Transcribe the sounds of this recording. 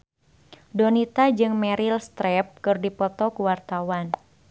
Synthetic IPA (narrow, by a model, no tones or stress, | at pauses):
dɔnit̪ad͡ʒɨŋmɛɾilst̪ɾɛp̚kɨrdipɔt̪ɔkuwart̪awan